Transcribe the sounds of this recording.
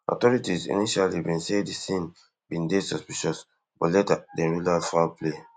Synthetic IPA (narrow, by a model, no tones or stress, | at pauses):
ʔɔ̰tɔɹitizḭniʃalibĩnsedisĩn | bĩndesɔspiʃɔs | b̥ɔ̰lɛtadɛ̃ɹulalfaple